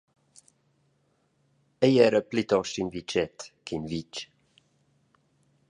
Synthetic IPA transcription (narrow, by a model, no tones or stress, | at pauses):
ɛjɛɾəplit̪ɔʃinvit͡ʃɛt̪kʰinvit͡ʃ